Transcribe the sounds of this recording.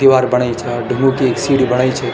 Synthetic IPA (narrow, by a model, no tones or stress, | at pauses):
iʋaɾbəɽ̃ajt͡ʃʰeɖʱũŋɡõkieksiɽibəɽ̃ajt͡ʃʰe